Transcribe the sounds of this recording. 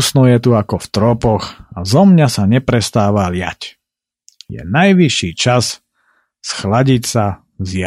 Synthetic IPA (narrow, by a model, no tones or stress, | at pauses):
snɔjɛt̪uakɔft̪ɾɔpɔɣazɔmɲasaɲɛpɾɛst̪aːʋalɪa̰c | jɛ̰najʋiʃiːt͡ʃaz | sxlaɟicsa | zja